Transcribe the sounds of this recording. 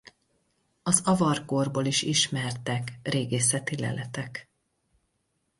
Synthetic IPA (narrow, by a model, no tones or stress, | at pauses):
ɒzɒvɒrkorboːliʃiʃmɛrt̪ɛkreːɡeːsɛt̪ilɛ̰lʔɛt̪ɛk